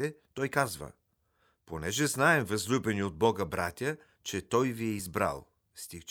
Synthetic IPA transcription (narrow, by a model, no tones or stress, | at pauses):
ɛt̪ɔjkazvə̰ | ponɛʒɛznaɛmvɐzlʲubɛniod̪̚bɔɡəbɾʔat̪ʲə | t͡ʃɛt̪ɔjviɛizbɾa̰lˠ | st̪ik